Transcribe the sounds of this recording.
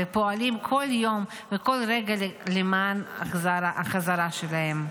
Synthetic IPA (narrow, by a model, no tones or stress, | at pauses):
epo̞alimkʰoljo̞m | veko̞lʁeɡalelemaːnazaaaχazaʁaʃelahe̞m